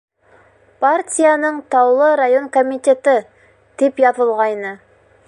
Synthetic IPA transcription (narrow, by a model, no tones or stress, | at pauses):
pʰaɾt̪ʲʰijanəɴt̪ʰɑwlˠəɾajo̞nkʰomit̪e̞t̪ɪ | d̪̥e̞pjɑpəlˠʁɑjnə